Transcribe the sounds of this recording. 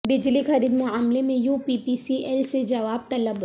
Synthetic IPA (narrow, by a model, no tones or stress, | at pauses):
bɪd͡ʒlixɐɾiːd̪mʊaːmlemẽjuːpiːpisiʔɛlsed͡ʒɐʋaːb̚t̪ɐləb